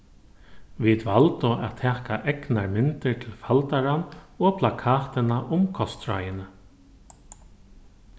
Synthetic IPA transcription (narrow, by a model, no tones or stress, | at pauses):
vit̪valt̪ʊa̰ðt̪ʰɛːkaʔɛknaɹmɪnt̪ɪɾt̪ʰɪlfalt̪aɾanɔpʰlakʰaːt̪ɪnaʔʊmkʰɔst̪ɾa̰jɪnə